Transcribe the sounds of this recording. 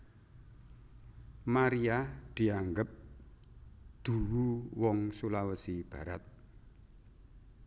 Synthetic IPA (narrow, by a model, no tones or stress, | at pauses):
maɾiad̪̥i̤aŋɡəp̚ | d̪̥ṳwuwɔŋsulawəsib̥a̤ɾat̪̚